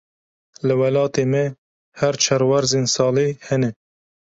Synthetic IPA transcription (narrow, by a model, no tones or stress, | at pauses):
lɨwɛlɑːt̪eːmɛ | hæɾt͡ʃʰɛɾwæɾzeːnsɑːlehɛnɛ